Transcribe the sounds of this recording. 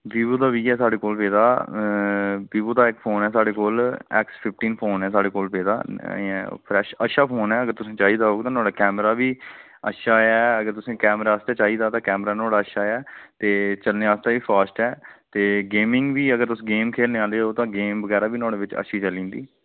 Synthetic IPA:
biːboːd̪aːʋiːɛːsaːɽeːkoːlpeːd̪aː | biːboːd̪aːɪkpʰoːnɛːsaːɽeːkoːlɛ̰ːkspʰɪp̚ʰʈiːnpʰoːnɛːsaːɽeːkoːlpeːd̪ã̰ː | pʰɾɛːʃəʃaːpʰoːnɛːəɡəɾt̪ʊsẽːt͡ʃaːɦiːd̪aːɦoːɡt̪ãːnʊaːɽɖaːkɛːmɾaːbiː | ə̰ʃaːɛːəɡəɾt̪ʊsẽːkɛːmɾaːəst̪aːt͡ʃaːɦiːd̪aːt̪ãːkɛːmɾaːnaːɽaːəʃaːɛːt̪eːt͡ʃəlneːaːst̪aːʋiːpʰaːsʈɛːt̪eːɡeːmɪŋɡʋiːəɡəɾt̪ʊsĩːɡeːmkʰeːlnẽːãːnd̪eoːt̪ãːɡeːmbəɡɛːɾaːbiːnɔ̃ːɽeːʋɪt͡ʃə̰ʃiːt͡ʃəlĩːnd̪iː

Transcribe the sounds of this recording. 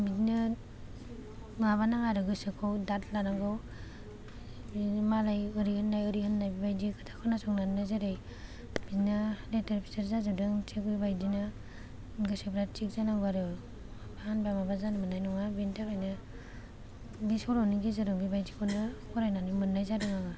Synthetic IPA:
bidna | ŋaβanaŋaɾɯɡɯsɯkʰɔwdatlanaŋɡaw | malajɯɾihɯnːajɯɾihɯnːajbibajdikʰatʰḁkʰanasɔŋnanajzaɾej | b̥inaleteɾpʰi̥seɾzazɯdɯŋt͡ʃʰek̚bibajdina | ɡɯsebɾat͡ʃik̚zanaŋbaɾɯ | pʰanbamabazanɯmɯnajnɔŋabintaɾɔjna | bisɔɾɔniɡizɯɾɯŋbibajd͡ʒikʰɔnɯkʰɔɾajnanimɯnːajzadɯŋaŋa

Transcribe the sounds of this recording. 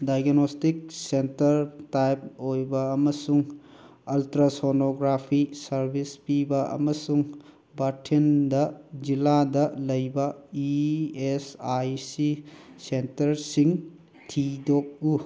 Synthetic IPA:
dajɡnostik̚sentɐɾtajp̚ojbɐːmɐsuŋ | ɐltɾɐsonoɡɾapʰisɐɾbʱispibɐɐ̰mɐsuŋ | batʰendɐd͡ʒiladɐlɐjbɐiesajsisentɐɾsiŋ | tʰidok̚u

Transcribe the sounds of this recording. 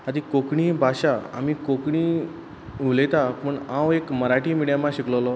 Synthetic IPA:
ad̪iːkokɳibʱaɕaa̰miːkokɳiː | ulet̪apəɳãwekməɾaʈiːmiɽjamaɕikləlɔ

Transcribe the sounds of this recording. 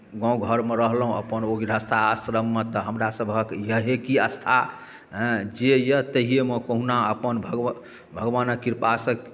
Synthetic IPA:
ɡɔ̃ɡʱəɾmeɾəɦlɦũə̰pənoɡiɾəst̪ʰaəsɾəmːət̪ɔɦəmɾasəbʱəkjəɦekiəst̪ʰa | ɦd͡ʒejət̪əɦijeməkəɦunaəpənbʱəɡ | bʱəɡʋanəkiɾpasək

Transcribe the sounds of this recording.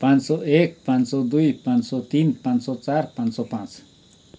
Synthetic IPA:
pant͡soek̚pant͡sod̪ujpant͡sot̪inpant͡sot͡saɾpant͡sopant͡s

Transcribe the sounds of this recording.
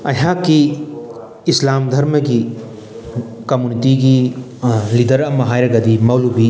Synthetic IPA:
ɐɦãːkiː | slaːmd̪ʱɐɾmɐɡi | kɐmjunitiɡi | lid̪ɐɾɐmɐɦaːjɾɐɡɐd̪imɐlubi

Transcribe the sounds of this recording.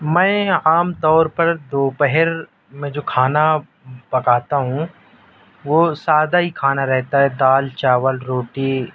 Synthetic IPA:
mɛ̃ːaːmt̪ɔːɾpɐɾd̪oːpɛɦəɾ | mẽd͡ʒoːkʰaːna | bɐkaːt̪aɦũ | ʋoːsaːd̪aɦikʰaːnaɾɛɦt̪aɦɛd̪aːlt͡ʃaːʋəlɾoːʈi

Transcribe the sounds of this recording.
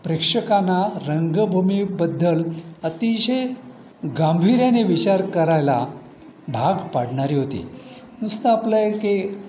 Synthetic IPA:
pɾekʂəkanaɾəŋɡəbʱumibəd̪ːələt̪iɕe | ɡambʱiɾjaneʋit͡ɕaɾkəɾajla̰ | bʱaɡpaɽɳaɾiːɦot̪ḭ | nust̪əapləjke

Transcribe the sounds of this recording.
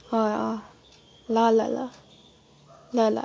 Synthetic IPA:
aa | lala̰la̰ | lala̰

